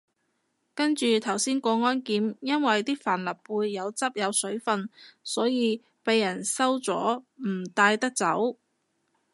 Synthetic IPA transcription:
kɐ˥nt͡ʃyː˨t̪ʰɐ˨˩wsiː˥nkɔː˧ŋɔː˥nkiː˨˥mjɐ˥nwɐ˨jt̪iː˥faː˨˩nlɐ˨˩p̚ːuː˨˧jːɐ˨˧wt͡sɐ˥p̚jɐ˨˧wsɵ˨˥ɥfɐ˧nsɔː˨˥jiː˨˧ | pe˨˧jːɐ˨˩nsɐ˥wt͡sɔː˨˥m̩˨˩t̪aː˧jt̪ɐ˥k̚t͡sɐ˨˥w

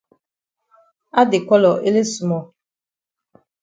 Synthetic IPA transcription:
a˦dɪ˨kʷɔ˦lɔ˨ʔe˦le˦su˨mɔ˨

